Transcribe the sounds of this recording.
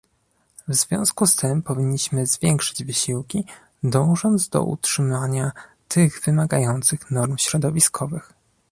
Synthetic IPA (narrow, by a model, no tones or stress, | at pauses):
vzvʲjɔ̃w̃skust̪ɘmpɔvʲiɲːiɕmɘzvʲjɛŋkʂɘ̥d͡ʑvɘɕiwkʲi | d̪ɔ̃w̃ʐɔnd̪zd̪ɔ̰ʔṵtʂɘmaɲa | t̪ʰɘɣvɘmaɡajɔnt̪sɘxnɔɾmɕɾɔd̪ɔvʲiskʰɔvɘx